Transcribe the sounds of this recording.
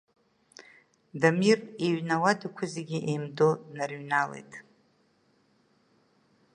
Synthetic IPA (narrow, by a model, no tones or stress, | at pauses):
damireɥnawadakʷʰʊzeɡʲiʔejmdonarɥnalḛjtʼ